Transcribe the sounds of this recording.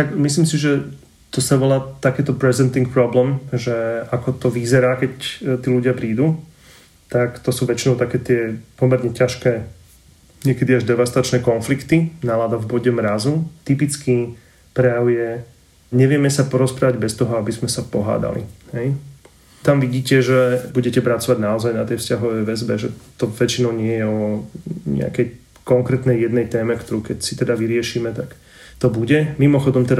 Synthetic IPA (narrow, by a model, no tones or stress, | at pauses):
t̪akmisliːmsiʒɛ | t̪ɔsaʋɔlaːt̪akɛːt̪ɔpɾɛzɛnt̪iŋk̚pɾɔblɛmʒɛakɔt̪ɔʋizɛɾaːkɛct̪iːluɟɪapɾiːd̪uː | t̪akt̪ɔsuːʋɛt͡ʃinɔʊt̪akɛːt̪ɪɛpɔmɛɾɲɛcaʃkɛː | ɲɛkɛd̪iaʒd̪ɛʋast̪at͡ʃnɛːkɔnflikt̪inalaːd̪avbɔɟɛmɾazut̪ipit͡ski | pɾɛjaʊjɛ | ɲɛʋɪɛmɛsapɔɾɔspɾaːʋaɟbɛst̪ɔɦɔabizmɛsapɔɦa̰ːd̪a̰lḭhɛj | t̪amʋiɟiːcɛʒɛbuɟɛcɛpɾat͡sɔʋaɟnaɔzajnat̪ɛjfscaɦɔʋɛjʋɛzbɛʒɛt̪ɔʋɛt͡ʃinɔʊɲɪɛjɛɔɲɛ̰a̰kɛj | kɔŋkɾɛt̪nɛjjɛd̪nɛjt̪ɛːmɛkt̪ɔɾuːkɛcsit̪ɛd̪aʋiɾɪɛʃiːmɛt̪ak | t̪ɔbuɟɛmimɔxɔd̪ɔmt̪ɛd̪a